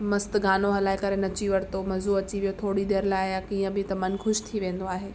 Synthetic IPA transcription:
mɐst̪ɡaːnoɦɐlaːɪkɐɾenɐt͡ɕiʋɐɽt̪omɐzuɐt͡ɕiʋijot̪ʰoːɽid̪eːɾlaːɪjakiːə̃bɪt̪ɐmɐnxʊʃt̪ʰiʋẽːn̆d̪oaːɦeː

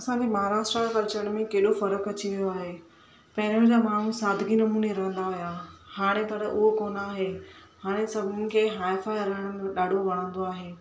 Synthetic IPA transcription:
ɐsãːɲd͡ʑemɐɦaɾaːʃʈɾakɐɾt͡ɕəɽ̃mẽkeːɗofɐɾəkɐt͡ɕiʋijoaːɦe | pɐɦɪɾʊ̃d͡ʑaːmaːɳ̤ũsaːd̪ʱɪɡinɐmuːneɾɐɦə̃nd̪aːɦijaːhaːɽ̃epɐɾʔʊɦokoːnaːɦehaːɽ̃esɐbʱʊnɪ̆kʰeːɦaːɪfaːɪɾɐɦəɽ̃əmẽɗaːɖʱoʋɐɽ̃ə̃ːn̆d̪oaːɦeː

